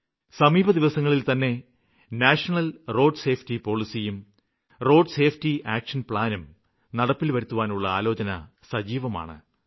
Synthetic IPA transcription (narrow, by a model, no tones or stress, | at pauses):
sɐmiːbʱɐd̪iʋɐsɐŋːɐɭilt̪ɐnːe̞ | naːʂɐnɐlro̞ːɖse̞ːfʰtipo̞ːɭisijum | ro̞ːɖse̞ːfʰtiʔaːkʂɐnpɭaːnum | nɐɽɐpːilʋɐɾut̪ːuʋaːnuɭːɐaːlo̞ːt͡ɕɐnɐsɐd͡ʑiːʋɐma̰ːɳɨ̰